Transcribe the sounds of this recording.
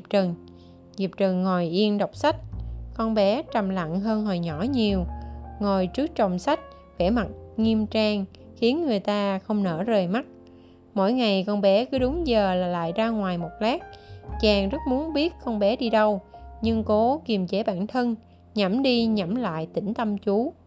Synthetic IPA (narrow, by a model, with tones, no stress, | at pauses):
p̚t͡ɕə˨˩n | zi˨˩əp̚t͡ɕə˨˩nŋo˨˩jʔi˧ənɗə˨˩wk͡p̚sa˦˥jk̚kɔ˧nɓɛ˨˦t͡ɕa˨˩mla̰˧˨ŋɦəː˧nɦo˨˩jɲɔ˧˩ɲi˨˩əwŋo˨˩jt͡ɕɨ˦˥ək̚t͡ɕə˨˩wŋ͡msa˦˥jk̟̚ | vɛ˧˩ma˨˩t̚ŋi˧mt͡ɕaː˧ŋ | xi˨˦ənŋɨ˨˩əjt̪aː˧xə˧wŋ͡mnə̰ː˧˩zəː˨˩jma˦˥t̚ | mo̰˧˥jŋa˨˩jkɔ˧nɓɛ˨˦kɨ˨˦ɗʊ˨˦ŋ͡mzəː˨˩laː˨˩la̰ː˧˨jzaː˧ŋwaː˨˩jmo˨˩t̚laː˦˥k̚t͡ɕaː˨˩ŋzə˦˥t̚mu˨˦ənɓi˦˥ət̚kɔ˧nɓɛ˨˦ɗi˧ɗə˧wɲɨ˧ŋko˨˦ki˨˩əmt͡ɕe˨˦ɓa̰ː˧˩˨nt̪ʰə˧n | ɲa˧˩mɗi˧ɲa˧˩mla̰ː˧˨jt̪ï˧˩ŋ̟t̪ə˧mt͡ɕu˨˦